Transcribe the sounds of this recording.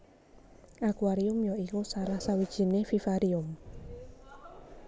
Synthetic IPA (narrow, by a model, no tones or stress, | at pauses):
ʔakuwaɾiʊmjɔikusaɾahsawid̥ʒ̥i̤nefifaɾiʊm